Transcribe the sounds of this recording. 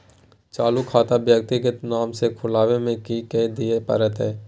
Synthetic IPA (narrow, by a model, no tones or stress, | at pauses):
t͡ʃaːlukʰaːt̪abjək̚t̪iɡət̪naːmsekʰʊlaːʋemẽkiked̪iepɐ̰ɾət̪ɦɛː